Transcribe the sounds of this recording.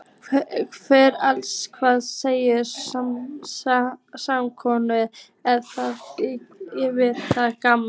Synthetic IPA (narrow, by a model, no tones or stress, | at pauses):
kvɛːɾalskʰvaːðseːjɪa | samkʰɔnʏð | ɛðθað | jɛvɪɾt̪θaðkam